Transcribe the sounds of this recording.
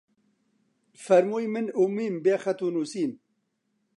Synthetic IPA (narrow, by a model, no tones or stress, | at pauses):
fɐɾmujmɨnumiːmbeːxɐt̪unusiːm